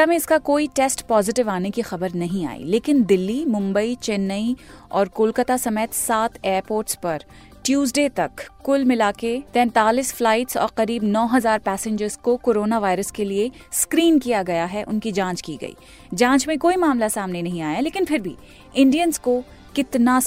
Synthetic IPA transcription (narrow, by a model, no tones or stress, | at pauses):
amẽɪskakoːiʈɛːsʈpɔːzɪʈɪʋaːnekixɐbəɾnɐɦĩa̰ːḭleːkɪnd̪ɪlːimʊ̃mbəit͡ʃɛnːəiɔːɾkʊːlkət̪asɐmeːt̪saːt̪eːɾpoːɾʈspɐɾ | ʈjuːzɖet̪ɐkːʊlmɪlaːket̪ɛ̃ːnt̪aːliːsflaːɪʈsɔ̰ːɾqɐɾiːbnɔːɦɐzaːɾpɛːsɪ̃ɲd͡ʒəɾz̥kokoːɾoːnaʋaːɪɾəskelie | skɾiːnkijaɡɐjaɦɛʔʊnkid͡ʒãːt͡ʃkiɡɐ̰ḭː | d͡ʒãːɲt͡ʃmẽkoːimaːmlasaːmnenɐɦĩaːjaleːkɪnpʰɪɾbʱḭ | ɪ̃ɳɖijənzko | kɪt̪na